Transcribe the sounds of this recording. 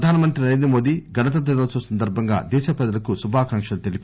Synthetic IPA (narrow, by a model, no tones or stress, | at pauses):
ɐd̪ʱaːnɐmɐnt̪ɾinɐɾend̪ɾɐmoːd̪iːɡɐnɐt̪̬ɐd̪ɐɾoːsɐsɐnd̪ɐɾbʱɐŋɡa̰ːd̪ɛːʃɐpɛd̪ɐlɐkusubʱaːkɐŋkʂɐlut̪elip